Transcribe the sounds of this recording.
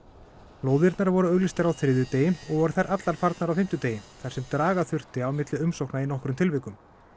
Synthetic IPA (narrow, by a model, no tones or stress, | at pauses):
loːwðɪɾt̪naɾvɔɾʏœɣlist̪ɪɾawθɾɪðʏt̪eːjɪnɔɣvɔɾθaɾʔat̪laɾ̥faɾt̪naɾawfɪm̥t̪ʏt̪eːjɪnθaɾ̥sɛmt̪ɾaːɣaθʏr̥t̪ɪawmɪt̪lɪʏmsowknainɔhkɾʏmt̪ʰɪlvɪkʏm